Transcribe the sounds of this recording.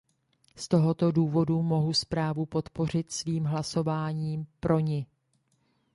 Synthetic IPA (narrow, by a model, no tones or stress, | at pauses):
st̪o̞ɦo̞t̪o̞duːvo̞dumo̞ɦuspɾaːvupo̞t̪po̞r̝ɪt̪sviːmɦlaso̞vaːɲiːmpɾo̞ɲɪ